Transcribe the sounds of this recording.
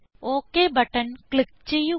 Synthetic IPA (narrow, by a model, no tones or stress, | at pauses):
oːkːeːbɐʈːɐnkɭik̚t͡ɕejːu